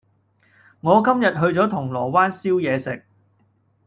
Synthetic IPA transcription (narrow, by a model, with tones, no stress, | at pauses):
ŋɔː˨˧kɐ˥mjɐ˨t̚ɦɵ˧ɥt͡sɔː˨˥t̪ʰʊ˨˩ŋlɔː˨˩waː˥nsiː˥wjɛː˨˧sɪ˨k̚